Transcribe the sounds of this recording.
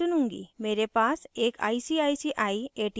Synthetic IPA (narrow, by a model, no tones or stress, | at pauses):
unuŋɡḭmeɾɛpasekʰa̰jsiajsiʔajeʈi